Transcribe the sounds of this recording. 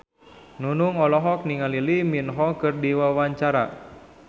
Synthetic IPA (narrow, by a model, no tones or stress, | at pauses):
nunʊŋɔlɔɦɔk̚niŋaliliminɦɔkɨrdiwawaɲt͡ʃaɾa̰